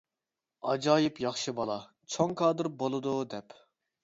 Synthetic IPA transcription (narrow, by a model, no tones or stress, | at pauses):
ɑd͡ʒɑːjipjɑχʃɨbɑlˠɑ | t͡ʃʰoŋkʰɑːd̪ɨɾbolˠɨd̪ud̪ɛp